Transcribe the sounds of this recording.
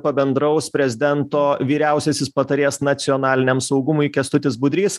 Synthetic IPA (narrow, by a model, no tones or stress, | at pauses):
pɐbʲɛnd̪ɾɐʊspʲɾʲɛzʲɪd̪ʲɛnt̪oːʋʲiːɾʲɛʊsʲɛsʲɪspɐt̪ɐɾʲeːsnɐt̪sʲɪɔːnɑːlʲɪnʲɛmsɐʊɡʊmʊjkʲɛst̪ʊt̪ʲɪsbʊd̪ʲɾʲiːs